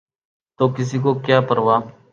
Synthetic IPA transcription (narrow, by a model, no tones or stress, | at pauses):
t̪oːkɪs̬iːkoːkjaːpəɾʋaː